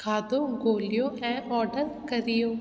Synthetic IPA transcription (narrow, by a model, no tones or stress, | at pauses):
kʰaːd̪õːɡoːlɪjõːʔɛ̃ːʔɔːɖəɾkəɾɪjoː